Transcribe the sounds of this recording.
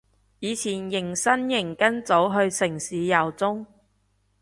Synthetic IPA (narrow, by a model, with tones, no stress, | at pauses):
jiː˨˧t͡sʰiː˨˩njɪ˨˩ŋsɐ˥njɪ˨˩ŋkɐ˥nt͡so˨˥wɦɵ˧ɥsɪ˨˩ŋsiː˨˧jɐ˨˩wt͡sʊ˥ŋ